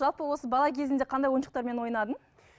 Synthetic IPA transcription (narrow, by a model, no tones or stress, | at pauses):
ʒɑlˠpəwo̞səbɑlˠɑkʲʰe̞zɪnd̪e̞qʰɑnd̪ɑjwo̞jnʃəq̚t̪ɑɾme̞nwo̞jnɑd̪ən